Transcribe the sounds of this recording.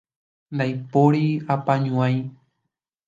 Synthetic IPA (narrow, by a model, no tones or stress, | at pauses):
nd̪ajpoɾiapãɲũãj̃